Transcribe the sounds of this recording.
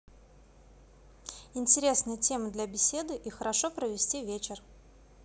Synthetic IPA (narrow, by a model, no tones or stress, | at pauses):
ɪnʲtʲɪɾʲe̞snɨjətʲemɨd̪lʲɐbʲɪsʲe̞d̪ɨʔixəɾɐʂopɾəvʲɪsʲtʲivʲet͡ɕɪr